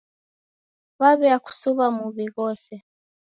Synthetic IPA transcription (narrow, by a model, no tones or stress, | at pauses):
βaβɛaku̥suβamuβiɣɔsɛ